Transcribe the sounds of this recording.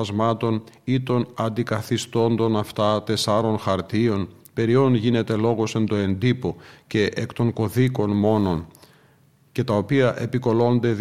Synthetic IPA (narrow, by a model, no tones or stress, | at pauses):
ɐzmɐt̪o̞nit̪o̞nɐnd̪ikɐθist̪o̞nd̪o̞nɐft̪ɐt̪e̞sɐɾo̞nxɐɾt̪io̞npe̞ɾio̞nʝine̞t̪e̞lo̞ɣo̞se̞nd̪o̞e̞nd̪ipo̞ce̞ʔekt̪o̞ŋko̞ðiko̞nmo̞no̞n | ce̞t̪ɐopiɐʔe̞piko̞lo̞nd̪e̞ð